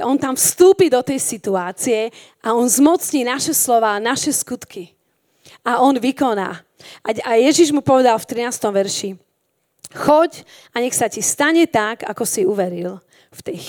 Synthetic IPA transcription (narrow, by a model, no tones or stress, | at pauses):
ʔɔnt̪amfst̪uːpid̪ɔt̪ɛjsit̪uaːt͡siɛ | aɔnzmɔt͡sɲiːnaʃɛslɔʋaːnaʃɛskut̪kʰi | aɔnʋikɔna̰ː | aajɛʒiʒmupɔʋɛd̪alft̪ɾinaːst̪ɔmʋɛɾʃi | xɔɟ | ʔaɲɛxsacist̪aɲɛt̪aɡa̰kɔsiuʋɛɾil | ft̪ɛj